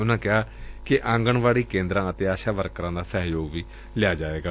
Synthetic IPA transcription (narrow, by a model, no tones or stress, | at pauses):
ʊnãːkɪaːkɪʔãːŋɡəɳʋaːɽiːkẽːnd̪ɾãːət̪eːaːʃaːʋəɾkɾãːd̪aːsəɦjoːɡʋiː | lɪaːd͡ʒaːʋeːɡaː